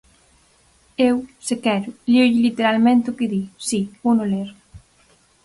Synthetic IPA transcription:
ewsekɛɾʊlioʎɪlit̪eɾalmẽnt̪ʊkɪðisibonoleɾ

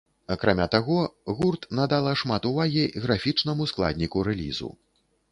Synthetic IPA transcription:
akɾamʲat̪aɣɔɣurt̪nad̪alˠɐʂmat̪uvaɣʲiɣɾafʲit͡ʂnɐmusklˠa̰d̪ʲnʲikuɾɛlʲḭzṵ

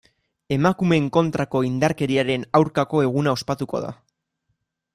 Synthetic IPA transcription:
e̞makume̞ŋko̞nt̪ɾako̞ind̪aɾke̞ɾiaɾe̞nawɾkako̞e̞ɣ̞unao̞spat̪uko̞̰ða̰

